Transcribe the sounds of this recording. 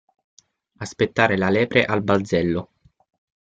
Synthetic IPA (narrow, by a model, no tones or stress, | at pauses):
aspet̪ːaːɾelalɛːpɾeʔalbald̪zɛlːo